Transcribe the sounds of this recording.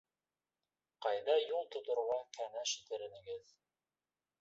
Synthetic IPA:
qɑjðɑjulˠt̪ŏt̪ŏɾʁɑkʰænæʃĭ̥t̪ɘ̆ɾɘ̆nɘ̆ɡɘð

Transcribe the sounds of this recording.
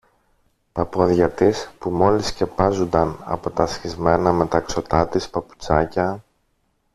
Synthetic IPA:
pɐpo̞ðʝɐt̪ispumo̞lisce̞pɐzund̪ɐnɐ̰po̞t̪ɐsçizme̞nɐme̞t̪ɐkso̞t̪ɐt̪ispɐpu̥t͡sɐcɐ

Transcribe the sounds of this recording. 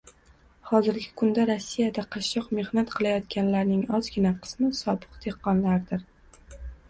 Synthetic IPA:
hɒzɪɾɡʲɪkʰʊnd̪aɾosːijad̪aqʰɑʃːɒqme̞hnat̪qʰɨlˠajɒt̪kʲanlaɾnɪŋɒzɡʲɪnaqʰɨ̥smɪsɒbɨqd̪̥eqːɒnlaɾd̪ɪɾ

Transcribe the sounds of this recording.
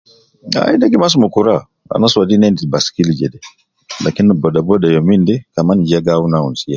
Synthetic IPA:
a̰indaɡimas̬umukuɾa | a̰nasadinɛndibaskild͡ʒɛdɛ | lakinbɔdabɔdajɔmindɛkamand͡ʒaɡawunaṵnsija

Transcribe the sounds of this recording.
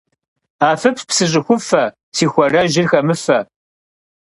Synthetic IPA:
aːfɨppsɨʑʼɪxʷʊfɐ | siːxʷɐrɐʒɪrxɐmɨfɐ

